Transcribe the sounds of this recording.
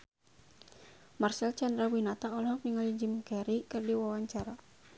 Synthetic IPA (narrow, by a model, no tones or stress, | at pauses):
marsɛlt͡ʃandɾawinat̪aɔlɔhɔmiŋalid͡ʒimkɛɾikɨrdiwawaɲt͡ʃaɾa